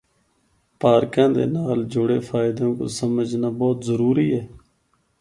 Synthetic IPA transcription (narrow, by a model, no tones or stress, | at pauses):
paːɾkãːd̪ḛːnaːld͡ʒʊɽeːfʰaːɪd̪õːko̰ːsəməd͡ʒnaːbɔːt̪zəɾuːɾiːɛː